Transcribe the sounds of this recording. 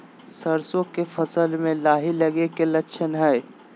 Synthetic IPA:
səɾsõkefʰɐsəlmẽlaːɦilɐɡekelɐkʃʰənɦɛː

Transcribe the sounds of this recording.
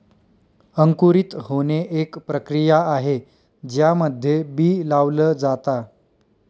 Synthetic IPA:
əŋkuɾit̪honeʔekpɾəkɾijaaɦe | d͡ʑjaməd̪ʱjebiːlaʋləːd͡zat̪a

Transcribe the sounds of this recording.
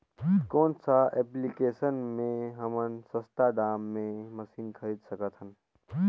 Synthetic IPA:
koːnsaʔɛplikesənmẽɦəmənsə̃st̪ad̪aːmːẽməsinkʰəɾid̪səkət̪ɦən

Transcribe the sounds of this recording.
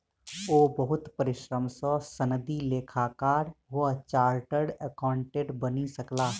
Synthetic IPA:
oːbəɦʊt̪pəɾɪʃɾəmsɔ̃sənd̪ileːkʰakaːɾʋət͡ʃaːɾʈəɽəkãːɳʈeːʈbənisəklaː

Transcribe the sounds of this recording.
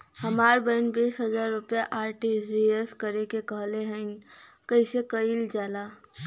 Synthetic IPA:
hɐmaːɾbəɪnbiːsɦɐzaːɾːʊpjaʔaːɾʈisieskɐɾekekəɦleɦɛ̃ | kəisekəild͡ʒaːlaː

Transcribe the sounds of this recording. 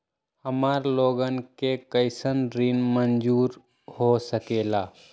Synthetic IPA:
həmaːɾloːɡənkekəɪsənɾinmənd͡ʒuːɾ | hosəkeːlaː

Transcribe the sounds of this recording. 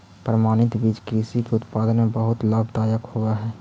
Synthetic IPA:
pɾəmaːnɪt̪biːd͡ʒkɾiːsikeʊt̪paːd̪ənmẽbəɦʊt̪laːbʱt̪aːjəkhoɡaɦɛː

